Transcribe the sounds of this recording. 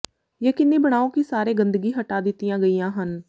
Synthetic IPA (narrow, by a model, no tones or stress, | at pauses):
jeːkɪnːibəɽ̃aːõkisaːɾeːɡə̃nd̪əɡiɦəʈaːd̪ɪt̪ijãːɡəijãːɦən